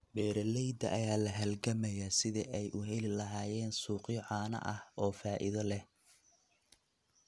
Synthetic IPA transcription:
bɛːɾɐlɛjd̪ɐʔɐjaːlɐɦɐlɡɐmɐjaːsɪðɛʔɛjʔʊɦɛlɪlɐɦaːjɛːnsuːqɪjʕɑːnɐ̰ʔɐhʔɔːfaːʔɪ̰ðɐlɛ

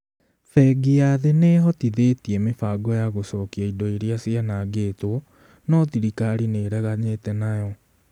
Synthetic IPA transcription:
fɛɡiaðeneːɦɔtiðetiemefaːɡɔjaɣosɔːkiaidɔiɾiasianaːɡeːtwɔ | nɔðiɾikaɾineːɾɛɣaɲetɛnajɔ

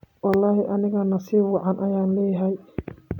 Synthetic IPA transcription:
wɑlːɑːhɪʔɐnɪɣɐnɐsiːwɑʕɑnʔɐjaːnlɛːjɦɐj

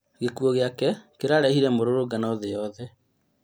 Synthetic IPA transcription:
ɣekuɔɣeakɛkeɾaɾɛhiɾɛmoɾoɾoɡanaðejɔðɛ

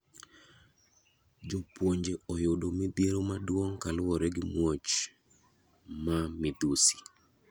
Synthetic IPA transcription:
d͡ʒopwoɲd͡ʒeɔjodomɪd̪iɾomadwoŋkalʊwɔɾɛɡɪmwot͡ʃ | mamɪd̪usi̥

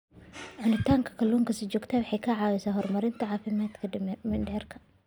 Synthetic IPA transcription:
ʕʊnɪt̪ʰaːŋkʰɐ̥kʰɐlːuːŋkʰɐsid͡ʒɔːɡt̪ʰawħɑjkʰɐʕaːwɪsaɦɔrmɐɾɪnt̪ʰɐʕaːfɪmaːd̪kʰɐmɪnɖɛːrkʰɐ̥

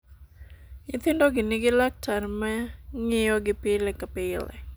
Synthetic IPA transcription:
ŋɪt̪ɪndoɡɪnɪɡilak̚tʰarmɛŋɪjɔɡɪpɪlɛkapɪlɛ̰

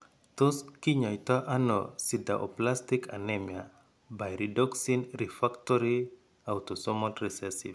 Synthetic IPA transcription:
toskiɲɔjtaʔanɔ̰sida̰ʔo̰plastika̰nɛmja | bajɾidɔksinɾifaktɔɾi | awtɔsɔmɔtɾɛsɛsḭf

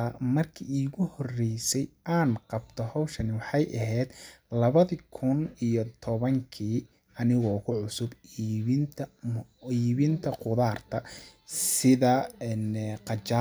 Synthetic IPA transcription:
mɐrkʰiːiːɣʊhɔrɛjsɛjʔaːnqɑbt̪ʰɔhɔwʃɐnɪwɑħɑjʔɐɦɛːd̪lɐβɐðikʰʊnijɔt̪ʰɔβɐŋkʰiː | ɐnɪɣɔkʰʊʕʊsʊbiːβɪnt̪ʰɐiːβɪnt̪ʰɐqʊðaːrt̪ʰɐsɪðɐɛnqɑt͡ʃa

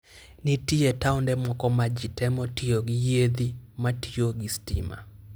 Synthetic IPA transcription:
nitietaundɛmwɔkɔmad͡ʒitɛmɔtioɡijed̪imatioɡistḭma̰

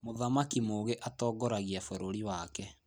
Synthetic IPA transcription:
moðamakimoːɣeʔatɔːɡɔɾaɣiafoɾoɾiwakɛ

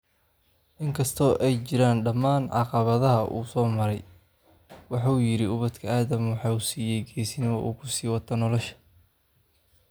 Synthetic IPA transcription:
ʔɪŋkʰɐst̪ʰɔːʔɛjt͡ʃɪɾaːnɖɐmaːnʕɑqɑβɐðɐɦɐʔṵːsɔːmɐɾɛj | wɑħɑuːjɪɾɪʊβɐd̪kʰɐaːðɐmwɑħɑːusiːjɛjɡɛːsɪnɪwɐʔṵːkʰʊsiːwɑt̪ʰːɐnɔlɔʃɐ̥

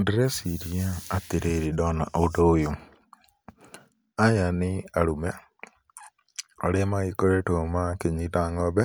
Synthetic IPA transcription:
ndiɾesiɾiaat̪eɾeɾidɔna̰ʔodojo | ajanɪaɾumɛ | ɔɾemaikoɾetomakeɲitaŋɔbɛ

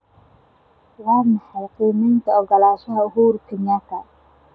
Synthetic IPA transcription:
wɑːmɑħɑjqiːmɛnt̪ʰɐɔɡɐlaːʃɐɦɐʊɦuːɾkʰɪɲɐkʰɐ̰

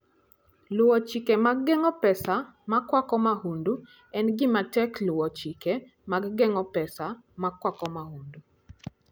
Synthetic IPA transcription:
lʊwɔt͡ʃikɛmaɡ̚ɡɛŋɔpɛsamakwakɔmahundu | ɛnɡɪmatɛklʊwɔt͡ʃike | maɡɡɛŋɔpɛsamakːwakɔmahundu

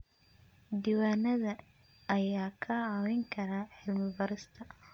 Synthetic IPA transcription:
d̪iːwaːnɐðɐː | jaːkʰɐʕawɛŋkʰɐɾaːħɪlmɪbɐɾɪst̪ʰɐ

